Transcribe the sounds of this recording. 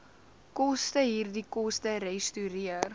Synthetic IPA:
kɔstəɦiːrdikɔstəɾɛjstyɾiər

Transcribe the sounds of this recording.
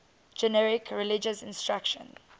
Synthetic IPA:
d͡ʒɛnɛɹɪkʰɹɛlɪd͡ʒəsɪ̃nstɹakʃə̰̃n

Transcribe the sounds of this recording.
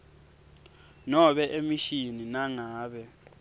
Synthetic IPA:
nɔɓɛʔemiʃininaŋaːɓɛ

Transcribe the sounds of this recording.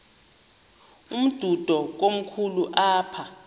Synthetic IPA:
um̩d̥ʱud̥ʱɔk̬om̩kʰuluʔaːpʰa

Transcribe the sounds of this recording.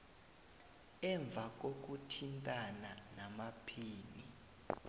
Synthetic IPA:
ɛɱb̪vʱak̬ok̬utʰintʼananamapʰiːni

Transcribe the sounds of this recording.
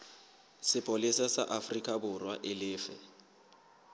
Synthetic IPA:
sɪpʼolisasa̰ʔafrikʼabʊrwaʔɪlɪːfɛ

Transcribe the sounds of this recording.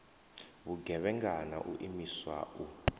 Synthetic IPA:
βuɡʱɛβɛŋɡana̰ʔuʔimiswa̰ʔu

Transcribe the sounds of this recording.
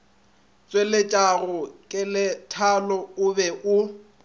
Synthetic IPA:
t͡sʼwelet͡ʃʼaɣʊkʼɪlɪtʰalɔʊbɛʔʊ

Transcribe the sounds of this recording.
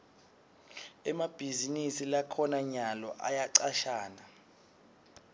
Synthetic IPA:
ɛmab̥ʱizinisilakʰɔnaɲalɔʔajaǀaʃaːna

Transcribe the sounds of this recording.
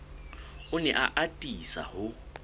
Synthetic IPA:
ʊnɛ̰ʔaʔatʼisa̰hʊ

